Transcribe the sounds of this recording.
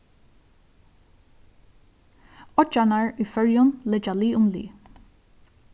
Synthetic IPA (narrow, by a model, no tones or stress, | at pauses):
ɔt͡ʃanaɹyːfœɹjʊnlɪd͡ʒaliːʊmlḭː